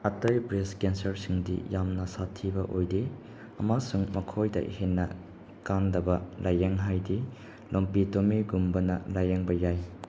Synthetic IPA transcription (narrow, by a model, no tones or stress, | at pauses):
ɐtɐjbɾeskensɐɾsiŋdḭjamnɐsatʰːibɐʔojdi | ɐmasuŋmɐkʰojdɐ̰hinːɐ | kandɐbɐlʔajeŋɦajdi | lʔompitomiɡumbɐnɐlajeŋbɐjaj